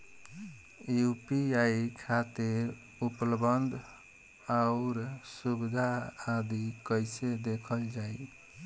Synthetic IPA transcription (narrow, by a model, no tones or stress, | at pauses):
jupiaikʰat̪iɾ | upləbənd̪ʱ | aʊɾsubid̪ʱaːd̪ikəɪsed̪ekʰəld͡ʒaij